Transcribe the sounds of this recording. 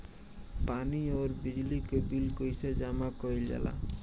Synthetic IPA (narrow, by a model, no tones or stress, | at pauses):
panioɾbid͡ʒlikobilkojsed͡ʒamakɔild͡ʒa̰la̰